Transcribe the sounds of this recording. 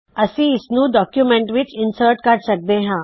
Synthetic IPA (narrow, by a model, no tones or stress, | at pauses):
əsiːsnũːɖɔkjumeɳʈʋit͡ɕinsəɾʈkaɾɖsək̚d̪ẽɦã